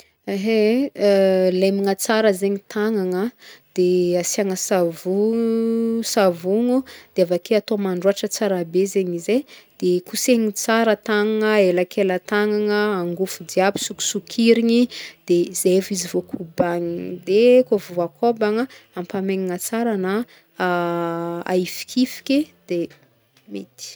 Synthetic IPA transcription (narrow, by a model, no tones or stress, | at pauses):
aɦe | lemiŋat͡saɾəzeɲit̪ʰaŋaŋəd̪̥easiaŋəsavu | savuŋud̪̥eavakʰeat̪omaɳɖ͡ʐuaʈ͡ʂət͡saɾabezeɲized̪̥ekuseɲit͡saɾət̪aŋaŋəelakʰelət̪aŋaŋəaŋɡufud̪iabi̥suku̥sukʰiɾiɲid̪̥ezefizivokʰubaɲid̪ekovuakʰobaŋəampameɲiŋat͡saɾana | a̰ifi̥kʰifi̥kʲid̪̥e | met̪i̥